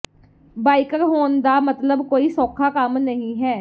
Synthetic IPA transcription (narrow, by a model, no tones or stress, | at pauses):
baːikəɾɦoːnd̪aːmət̪ləbkoːiːsɔːkʰaːkəmnəɦĩːɦɛː